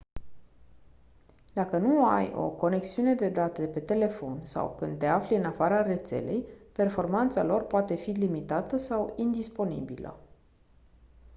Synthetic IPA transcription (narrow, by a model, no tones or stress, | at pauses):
d̪̥akənua̰jo̞̰ko̞ne̞ksiune̞d̪e̞d̪at̪epe̞t̪e̞le̞fo̞̰nsa̰wkɨnd̪̚t̪eafliɨnafaɾare̞t̪se̞̰le̞̰jpe̞rfo̞rmant̪salo̞rpoat̪e̞filimit̪at̪əsawind̪ispo̞nḭbilə̰